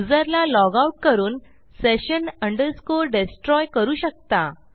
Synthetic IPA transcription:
ud͡zəɾlalɔɡauʈ̚kəɾuːn | seɕənəɳɖəɾskoɾɖesʈɾɔjkəɾuːɕək̚t̪a

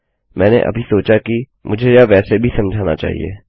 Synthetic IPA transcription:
mɛ̃ːnḛʔɐ̰bʱisoːt͡ʃaki | mʔʊd͡ʒʱejaʋɛːsebʱisɐmd͡ʒʱaːna̰t͡ʃa̰ːɦḭḛː

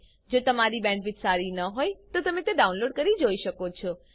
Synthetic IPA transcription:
d͡ʒot̪əmaɾibɛ̃ɳʈʋɪt̪saɾinəɦojt̪ot̪əmẽt̪eɖaunloːɖ̚kəɾid͡ʒoiʃəkot͡ʃʰɔ

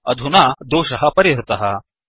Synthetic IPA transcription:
ɐ̰d̪ʱunad̪oːʃɐɦɐpɐɾiɦɾɪt̪ɐɦɐ

